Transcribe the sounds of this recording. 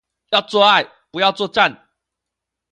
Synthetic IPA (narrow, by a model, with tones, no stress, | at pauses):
jɑ˥˧ʊt͡swɔ˥˧a˥˩ɪ | pu˧˦jɑ˥˧ʊt͡swɔ˥˧ʈ͡ʂa˥˨n